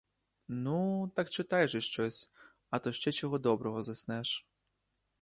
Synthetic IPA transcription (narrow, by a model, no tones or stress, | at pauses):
nut̪akt͡ʃɪt̪ajʐɨʃt͡ʃɔsʲ | ɐt̪ɔʃt͡ʃɛt͡ɕɔɣɔd̪ɔbɾɔɦɔzɐsʲnɛʂ